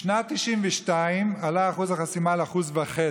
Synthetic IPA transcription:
ʃnat̪ːiʃimvɛʃtaimalaːχuzaχasimalaχuzveχe

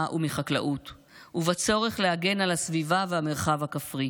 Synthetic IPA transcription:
ʔumiχakla̰ʔut | uvat͡so̞ʁe̞χleaɡe̞nalasvivavehame̞ʁχavhakafʁi

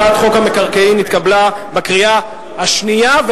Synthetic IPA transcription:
at̪χo̞khame̞kaʁkeinit̪kablabekʁia | haʃniav

